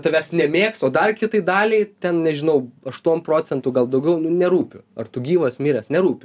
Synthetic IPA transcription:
t̪ɐʋʲæsnʲɛmʲeːksoːd̪ɐrkʲɪt̪ɐɪd̪ɑːlʲɛɪt̪ʲɛnnʲɛʒʲɪnɐʊɐʃt̪uɔnpɾroːt͡sʲɛnt̪uːɡɐlˠd̪ɐʊɡʲɛʊnʊnʲɛɾuːpʲʊɐrt̪ʊɡʲiːʋɐsmʲɪːɾʲɛsnʲɛɾuːpʲʊ

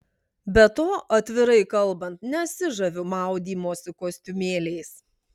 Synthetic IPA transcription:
bʲɛt̪oːʔɐt̪ʲʋʲɪɾɐɪkɐlˠˑbɐnt̪nʲɛɐt̪sʲɪʒɐʋʲʊmɑˑʊd̪ʲiːmoːsʲɪkoːsʲt̪ʲʊmʲeːlʲeɪs

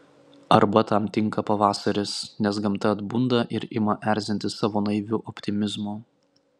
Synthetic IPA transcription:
ɐɾbɐt̪ɐmt̪ʲɪŋkɐpɐʋɑːsɐɾʲɪsnʲɛs̬ɡɐmt̪ɐɐd̪bʊnd̪ɐʔɪɾɪmɐʔæˑɾʲzʲɪnʲt̪ʲɪsɑːʋoːnɐɪʋʲuːʔɔpʲt̪ʲɪmʲɪzmoː

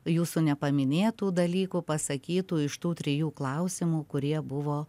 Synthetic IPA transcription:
juːsunʲɛpɐmʲɪnʲeːt̪uːd̪ɐlʲiːkupɐsɐkʲiːt̪uːɪʃt̪uːt̪ʲɾʲɪjuːklˠɐʊsʲɪmuːkʊɾʲiɛbʊʋoː

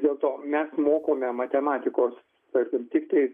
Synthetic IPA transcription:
d̪ʲeːlˠt̪oːmʲɛsmoːkoːmʲɛmɐt̪ʲɛmɑːt̪ʲɪkoːs | t̪ɐɾʲkʲɪmt̪ʲɪkt̪ɐɪ

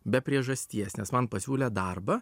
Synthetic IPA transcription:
bʲɛpʲɾʲiɛʒɐsʲt̪ʲiɛsnʲɛsmɐnpɐsʲuːlʲɛd̪ɐrbɐ

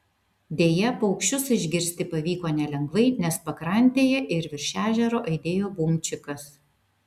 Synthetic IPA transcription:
d̪ʲeːjɛpːʊkʃʲt͡ʃʲʊsɪʒʲɡʲɪɾʲsʲt̪ʲɪpɐʋʲiːkoːnʲɛlʲɛŋɡʋɐɪnʲɛspɐkɾɐˑnʲˑt̪ʲeːjɛʔɪɾʋʲɪɾʲʃʲæːʒʲɛɾoːʔɐɪd̪ʲeːjoːbʊmʲt͡ʃʲɪkɐs

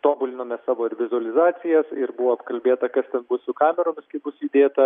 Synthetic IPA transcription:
t̪oːbʊlʲɪnoːmʲɛsɑːʋoːɪɾʋʲɪzʊɐlʲɪzɑːt͡s̪ʲɪjɛsɪɾbʊʋoːɐpkɐlʲbʲeːt̪ɐkɐst̪ʲɛnbʊsʊkɑːmʲɛɾoːmʲɪskɐɪbʊsʊiːd̪ʲeːt̪ɐ

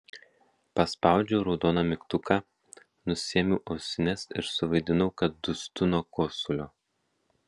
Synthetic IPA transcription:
pɐspɑˑʊd͡ʒʲoʊɾɔʊd̪oːnɑmʲɪkt̪ʊkʰɑ | nʊsʲiɛmʲʊːʔɐʊsʲɪnʲɛsɪ̰ɾsʊʋɐɪd̪ʲɪnɐʊkɐt̪̚d̪ʊsʲt̪ʲʊnoːkoːsʊlʲoː

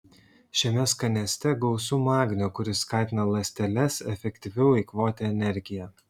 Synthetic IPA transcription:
ʃʲɛmʲɛskɐnʲɛsʲt̪ʲɛɡɔʊsuːmɑːɡʲnʲukʊɾʲɪskɑˑːt̪ʲɪnɐlˠɐsʲt̪ʲɛlʲɛsɛfʲɛkt̪ʲɪʋʲɛʊɪkʋoːt̪ʲɛɛnʲɛɾʲɡʲɪjɛ

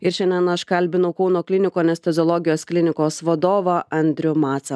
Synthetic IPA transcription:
ɪɾʃʲɛnʲɛnɐʃkɐlʲbʲɪnɐʊkɐʊnoːklʲɪnʲɪkoːnʲɛsʲt̪ʲɛzʲɔːlˠɔːɡʲɪjoːsklʲɪnʲɪkoːsʋɐd̪oːʋɐɐnʲd̪ʲɾʲʊmɑːt̪sɐ

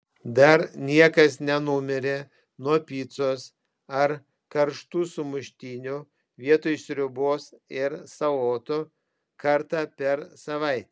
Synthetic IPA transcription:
d̪ɐɾnʲiɛkɐsnʲɛnʊmʲɪɾʲe | nuɔpʲiːt̪soːs | ɐɾ | kɐɾʃt̪uːsʊmʊʃʲt̪ʲiːnʲʊ | ʋʲiɛt̪oːjsʲɾʲʊboːsɪɾsɐoːt̪ʊ | kɐɾt̪ɑːpʲɛɾsɐʋɐɪt̪ʲː

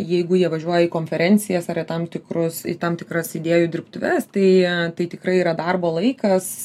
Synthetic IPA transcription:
jɛɪɡʊjiɛʋɐʒʲuɔjɛikoːnʲfʲɛɾʲɛnʲt͡s̪ʲɪjɛsɐɾɪt̪ɐmt̪ʲɪkrʊsɪ̰t̪ɐmt̪ʲɪkrɐsɪd̪ʲeːjuːd̪ʲɪɾpt̪ʊʋʲɛst̪ɐɪt̪ɐɪt̪ʲɪkɾɐɪiːɾɐd̪ɐrboːlˠɐɪkɐs

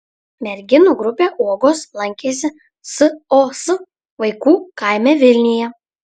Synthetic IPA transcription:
mʲɛɾʲɡʲɪnuːɡɾʊpʲeːʔuɔɡoːslˠɐŋʲkʲeːsʲɪ | sɨosɨ | ʋɐɪkuːkɑˑɪmʲɛʋʲɪlʲnʲɪjɛ

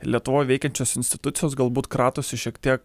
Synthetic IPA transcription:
lʲiɛt̪ʊʋoːjʋʲɛɪkʲɛnʲt͡ʃʲoːsɪnʲst̪ʲɪ̥t̪ʊt̪sʲɪjoːsɡɐlˠbuːt̪kɾɑːt̪oːsʲɪʃʲiɛkt̪ʲiɛk

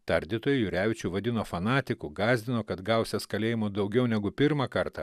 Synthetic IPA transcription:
t̪ɐɾʲd̪ʲɪt̪oːjɛjʊɾʲæːʋʲɪt͡ʃʲuːʋɐd̪ʲɪnoːfɐnɑːt̪ʲɪkuɡɑːzʲd̪ʲɪnoːkɐt̪ɡɐˑʊsʲɛskɐlʲeːjɪmoːd̪ɐʊɡʲɛʊnʲɛɡʊpʲɪɾmɐkɐɾt̪ɐ

